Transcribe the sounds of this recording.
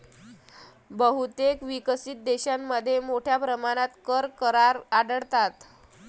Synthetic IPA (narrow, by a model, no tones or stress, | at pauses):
bəɦut̪ekʋikəsiːt̪̚d̪eɕamːəd̪ʱːjemoʈʰjapɾəmaɽ̃at̪kəɾkəɾaɾaɽəɽt̪at̪